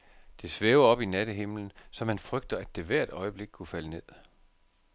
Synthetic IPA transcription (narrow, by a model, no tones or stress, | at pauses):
d̥e̝sʋeːʊɒ̽b̥inæɾ̥əɦe̝mln̩sɒ̽mhænfʁœɡ̥̚d̥ɐæd̥e̝ʋæɐ̰d̥ɒ̽ɪəb̥le̝ɡ̥̚kʰufæləne̝ð̰ˠ